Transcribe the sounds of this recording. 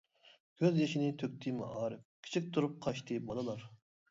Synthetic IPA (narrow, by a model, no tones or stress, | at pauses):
ɡʲʰøzjeʃinɪt̪ʰøkʲt̪ʰimɑ̰ʔɑːɾɨf̚kʲʰi̥t͡ʃʰik̚ʲt̪ʰuɾup̚qʰɑʃt̪ʰɨbɑd̪ɨlˠɑɾ